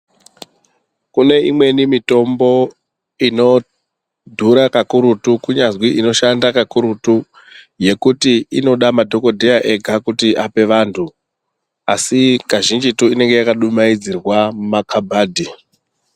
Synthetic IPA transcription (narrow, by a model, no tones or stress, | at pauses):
kune̞imwe̞nimito̞mbo̞ | ino̞ | dʱuɾakakuɾutukuɲazwiʔino̞ʃandakakuɾutu | je̞kutiino̞ɗamadʱo̞ko̞dʱejaʔe̞ɡʱakutiʔape̞ʋaːntʰu | asikaʒind͡ʒituine̞ŋɡe̞jakaɗumaid͡zirwamakʰabʱaːdʱi